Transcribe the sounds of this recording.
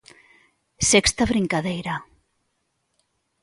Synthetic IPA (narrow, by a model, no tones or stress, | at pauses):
sɛkst̪aβɾiŋkaðejɾa